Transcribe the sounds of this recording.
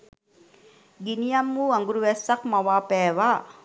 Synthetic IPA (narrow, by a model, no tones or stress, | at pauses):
ɡinijamːuaŋɡuɾuʋɛsːakmaʋaːpɛːʋa